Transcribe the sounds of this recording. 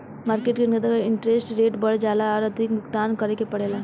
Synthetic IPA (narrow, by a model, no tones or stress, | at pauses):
maːɾkeːʈkenəd̪əkɪ̃ɳʈɾeːsʈɾeːʈbɐɽd͡ʒaːlaɔːɾɐd̪ʱɪk̚bʊkt̪aːnkɐɾekepɐɽeːlaː